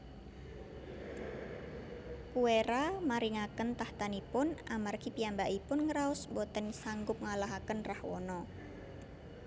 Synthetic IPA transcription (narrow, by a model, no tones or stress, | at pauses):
kueɾamaɾiŋakənt̪aht̪anipʊnʔamarkipiambaʔipʊnŋɾaʊsbɔt̪ənsaŋɡʊp̚ŋalaɦakənrahwɔnɔ